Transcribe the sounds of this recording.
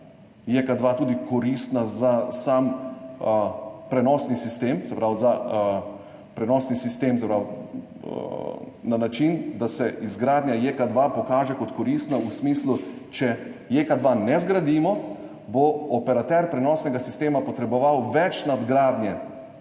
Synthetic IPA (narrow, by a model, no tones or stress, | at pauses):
jekad̪ʋat̪uːd̪ikɔɾist̪nazasam | pɾɛnɔːsnisist̪eːmsɛpɾawza | pɾɛnɔsnisist̪eːmsɛpɾaw | nanat͡ʃind̪asɛʔizɡɾaːd̪njajekad̪ʋapɔkaːʒɛkɔt̪kɔɾiːst̪nausmiːslut͡ʃɛjekad̪ʋanɛzɡɾad̪iːmɔ | boɔpɛɾat̪ɛɾpɾɛnɔːsnɛɡasist̪eːmapɔt̪ɾɛbɔʋawʋɛt͡ʃnad̪ɡɾaːd̪njɛ